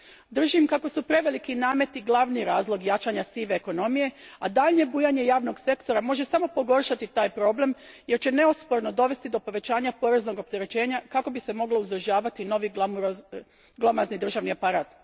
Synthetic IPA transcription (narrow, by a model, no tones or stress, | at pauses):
d̪r̩ʒimkako̞supɾe̞ʋe̞likinaːme̞t̪iɡlˠaʋniɾaːzlˠo̞ɡjat͡ʃaɲasiʋeːko̞no̞mije̞ad̪aʎɲe̞buːjaɲe̞jaːʋno̞ɡse̞kt̪o̞ɾamo̞ʒe̞samo̞po̞ɡo̞rʃat̪it̪aːjpɾo̞ble̞mje̞ɾt͡ɕene̞ospo̞ɾno̞d̪o̞ʋe̞st̪id̪o̞po̞ʋe̞t͡ɕaːɲapo̞ɾe̞zno̞ɡo̞p̚t̪e̞ɾe̞t͡ɕe̞ːɲakako̞bise̞mo̞ɡlo̞uzr̩ʒaːʋat̪ino̞ʋim | ɡlˠo̞maznid̪r̩ʒaʋniapaɾaːt̪